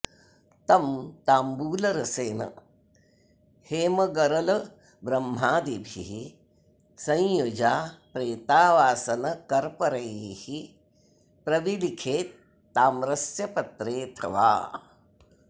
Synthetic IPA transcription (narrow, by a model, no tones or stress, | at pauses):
t̪ɐmt̪aːmbuːlɐɾɐseːnɐ̰ | heːmɐɡɐɾɐlɐ | bɾɐmːaːd̪ibʱḭɦi | sɐ̃jjod͡ʒaːpɾeːt̪aːʋaːsɐnɐkɐɾpɐɾɐjhi | pɾɐʋilikʰeːt̪ː | aːmɾɐsjɐpɐt̪ɾeːt̪ʰɐʋa̰ː